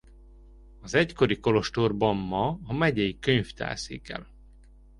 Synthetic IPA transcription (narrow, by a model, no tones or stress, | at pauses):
ɒzɛcko̞ɾiko̞lo̞ʃt̪orbɒmːɒɒmɛɟɛjikøɲft̪ɛ̰ːsḭːkɛ̰l